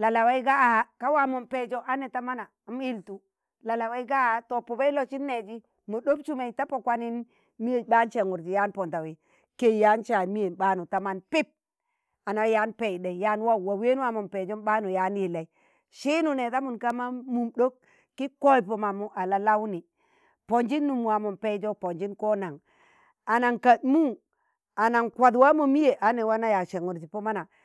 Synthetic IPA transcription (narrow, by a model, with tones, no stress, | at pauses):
la˨la˨wa˦i˦ɡa˦a˨a˦ka˦wa˨mo˨mpe˨d͡ʒo˦ʔa˦ne˨ta˦ma˦naː˨m˦i˦ltu˨ | la˨la˨wa˦i˦ɡa˦to˨po˨ba˦i˦lo˨t͡ʃi˦nːe˨d͡ʒi˦ | mo˨ɗo˦p̚t͡ʃu˦ma˨i˨ta˦po˨kwa˦ni˦n | mi˦e˨ɓa˦nt͡ʃe˨ŋu˨ɾd͡ʒi˨ja˦npo˨nta˨wi˨ | ke˦˨ja˦nt͡ʃa˨mi˦je˨nɓa˦nu˨ta˦ma˦npi˦p̚ | a˨na˨˦ja˦npe˦˨de˨ja˨˦n˦wa˦˨wa˨we˦nu˦wa˦mu˨npe˨d͡ʒo˦nɓa˦nu˨ja˨˦nji˨la˨i˦ | ʃi˦nu˨ne˨ta˦mu˨nka˦ma˦mu˨mɗo˦k | kːi˦ko˦i˨po˨ma˨mu˦ʔa˨la˦la˦wni˨ | po˨nd͡ʒi˦nːu˨mwa˨mu˨npe˦d͡ʒo˦po˨nd͡ʒi˦nko˦na˨ŋ | a˨na˨ŋka˨t̚mu˦ | a˨na˨ŋkʷa˨dwa˦mo˨mi˦je˨ʔa˨ne˨wa˦na˦ja˨ʃe˨ŋu˨ɾti˨po˦ma˦na˨